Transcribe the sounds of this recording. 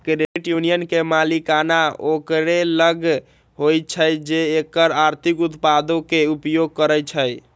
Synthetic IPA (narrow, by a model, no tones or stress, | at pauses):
kɾeʈjunijənkemalikanaokɾeləɡ | ɦojt͡ʃʰəjd͡ʒeːkəɾaɾt̪ʰikut̪pad̪okeupjoɡ̚kəɾəjt͡ʃʰəj